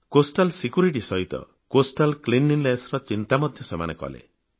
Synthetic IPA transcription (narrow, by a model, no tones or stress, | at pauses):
kosʈalsikjuɾiʈ̬isɔɦit̪ɔ̰ | kosʈalklinːinlesɾɔt͡ʃint̪amɔd̪ʱjɔsema̰nekɔ̰lḛ